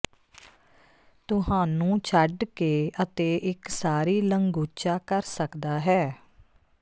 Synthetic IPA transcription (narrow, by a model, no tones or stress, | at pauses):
t̪ʊɦãːnũːt͡ʃʰəɖkeːət̪eːʔɪksaːɾiːləŋɡuːt͡ʃaːkəɾsəkd̪aːɦɛː